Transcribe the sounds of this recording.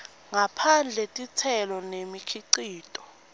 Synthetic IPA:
ŋapʰand͡ɮʱɛtʼitʰɛlɔnemikʰiǀiːtʼɔ̥

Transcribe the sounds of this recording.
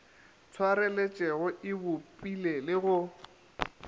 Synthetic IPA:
t͡sʰwaɾɛlet͡ʃʼɛɣʊʔɪbʊpʼilelɪɣʊ

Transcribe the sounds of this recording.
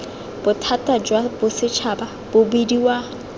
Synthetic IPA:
b̥ʊtʰatʼad͡ʒwabʊsɪt͡ʃʰabab̥ʊbidiwa

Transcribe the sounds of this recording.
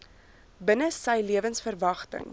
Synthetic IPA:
bənəsəjliəvənsfərvɐχtə̰ŋ

